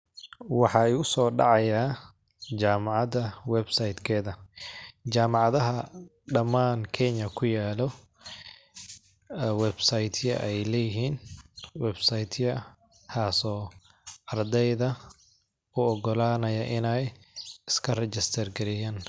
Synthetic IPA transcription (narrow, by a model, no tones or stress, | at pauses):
wɑħɑːɛʊsɔːɖɑ̰ʕɑjaː | d͡ʒaːmɑʕɑd̪ɐwɛbsajd̪kʰɛːðɐ | t͡ʃaːmɑʕɑðɐɦɐ | ɖɐmaːnkʰɛɲɐkʰʊjaːlɔ | wɛbsajt̪ʰjɐ̰ʔɛjlɛjɪɦiːnwɛbsajd̪ʰjɐ | kʰaːsɔː | ɐrd̪ɛjðɐ | ʊɔɡɔlaːnɐjɐʔɪnɛjɪskʰɐrɛt͡ʃɪst̪ʰɐrɡɛɾɪjaːn